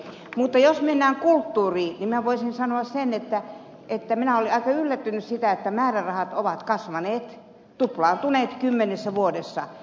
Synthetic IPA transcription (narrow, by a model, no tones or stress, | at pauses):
mut̪ːɑjosmenːæːŋkult̪ːuːriːniminæʋoisinsɑnoɑssenet̪ːæ | ʔet̪ːæminæoliɑikɑylːæt̪ːynyssit̪æet̪ːæmæːrærɑhɑt̪oʋɑt̪kɑsʋɑneːt̪ | t̪uplɑːnt̪uneːt̪kymːenesːæʋuodesːɑ